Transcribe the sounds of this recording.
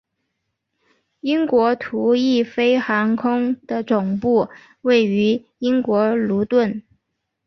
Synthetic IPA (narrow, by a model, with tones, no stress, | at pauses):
i˥ŋkwɔ˧˥t̪ʰu˧˥i˥˩fe˥ɪxa˧˥ŋkʰʊ˥ŋd̪̥ə˨t͡sʊ˨˩ŋpu˥˩ | we˥˩ɪy˧˥ | i˥ŋkwɔ˧˥lu˧˥t̪wə˥˩n